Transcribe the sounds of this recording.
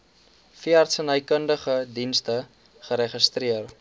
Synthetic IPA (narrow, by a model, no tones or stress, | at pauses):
fiəɐrtsənəjkəndəχədinstə | χəɾɛχəstriər